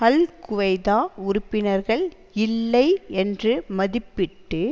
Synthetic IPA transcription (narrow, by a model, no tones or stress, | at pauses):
ɐlkʊʋɐɪðaːʊɾʊpːɪnɐɾɣɐɭ | ɪlːɐɪɛndrɯmɐðɪpːɪʈːɯ